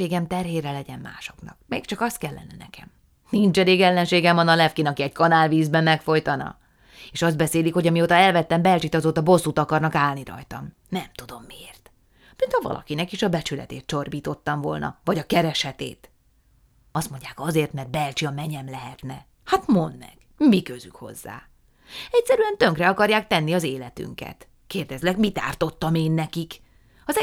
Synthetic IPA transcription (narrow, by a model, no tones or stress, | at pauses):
eːɡɛmt̪ɛrɦeːrɛlɛɟɛnma̰ːʃo̞knɒ̰kmḛːkt͡ʃɒkɒst̪̚kɛlːɛ̰nɛnɛ̰kɛ̰m | nint͡ʃɛɾeːɡɛlːɛnʃeːɡɛmɒnɒlɛfkinɒkiɛɟkɒnaːlviːzbɛmːɛkfo̞jt̪ɒnɒ̰ | eːʃɒzd̪bɛseːlikho̞ɟɒmioːt̪ɒɛlvɛt̪ːɛmbɛlt͡ʃit̪ɒzoːt̪ɒbo̞sːut̪ɒkɒrnɒkaːlniɾɒ̰jt̪ɒ̰m | nɛmt̪ud̪o̞mːieːrt̪ | mint̪hɒvɒ̰lɒ̰kinɛkiʃɒbɛt͡ʃylɛ̰t̪ḛːt̪̚t͡ʃo̞rbiːt̪o̞t̪ːɒɱvo̞lnɒ̰vɒɟɒkɛɾɛʃhɛt̪ḛːt̪ | ɒst̪moɲɟaːkɒzeːrt̪mɛrd̪bɛlt͡ʃiɒmɛɲɛmlɛɦɛt̪nɛ | hat̪mo̞nd̪ːɛ̰ɡ̥ | mikøzy̰kho̞̰zːa̰ː | ɛcʲsɛɾyɛnt̪øŋkrɛɒkɒrjaːk̚t̪ɛnːiɒzeːlɛt̪y̰ŋkɛ̰t̪ | keːrd̪ɛzlɛkmit̪a̰ːrt̪o̞t̪ːɒmeːnːɛkik | ɒz